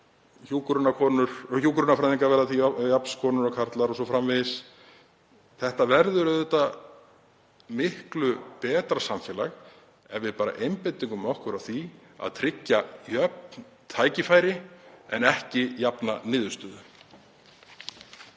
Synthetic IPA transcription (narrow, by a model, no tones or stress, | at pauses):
çuːkɾʏnakʰɔːnʏɾ̥çuːkɾʏnafɾajðiŋkaɾvɛɾðaθijapn̥skʰɔːnʏɾɔkʰaɾt̪laɾɔsɔfɾamvɪðɪs | θɛht̪avɛɾðʏɾʏðɛt̪a | mɪhklʏpɛːt̪ɾasamfɛːlaɣ | ɛvvɪpaːɾa̰ʔejmpejt̪iŋkʏmɔhkʏɾawθi | a̰ðt̪ʰɾɪcːajœp̚nn | t̪ʰaːjcɪfaːjɾɪɛ̰nɛhcɪjapnanɪːðʏ̥st̪ʏːðʏ